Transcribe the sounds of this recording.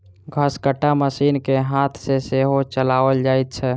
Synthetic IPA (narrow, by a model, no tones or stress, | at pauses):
ɡʱəskəʈːaməsiːnkeɦat̪ʰseseɦot͡ʃəlaʋəld͡ʒajt̪̚t͡ʃʰɛ